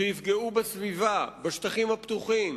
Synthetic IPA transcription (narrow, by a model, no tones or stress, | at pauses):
ejifɡeubesvivabaʃt̪aχimhapt̪uχim